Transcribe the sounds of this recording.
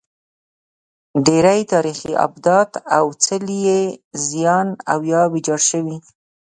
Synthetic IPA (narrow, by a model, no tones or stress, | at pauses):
ɖeɾajt̪ɑɾixiʔa̰bd̪ɑt̪awt͡səlijezijɑnawjɑbɪd͡ʒɑɽʃəwi